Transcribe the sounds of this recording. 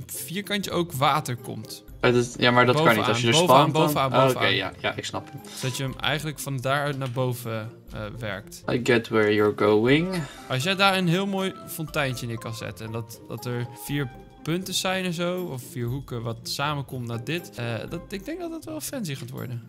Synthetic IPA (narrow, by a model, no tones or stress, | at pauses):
fiːɹkɑntəowkʋaːtəɹkɔ̰mt | jamaɹdɑtbowkɑniaːəbowaːbowvəaːnooə̰eja̰ja̰ʔɪksnɑpəmdɑtjəəmɛ̰jχənləkfɑndaːɹœɥtnaːɹbowvə | ʋɛ̰ɹktajɡɛtwɛɹjɔɹɡowɪŋ | ɑls̬jɛdaːɹənɦɪːlˠmoːjfɔntɛjnt͡ʃənɪkɑnzɛ̰tɛndɑtdɑ̰tɛɹfiːɹ | pɵntəsɛjnɛnzowɔfːiːɹɦukəʋɑtsaːməkɔmtnaːdɪtdtɪɡ̚dɛŋɡ̚dɑtdɑtʋɛlˠəfɛnsiχaːtʋɔ̰ɹdə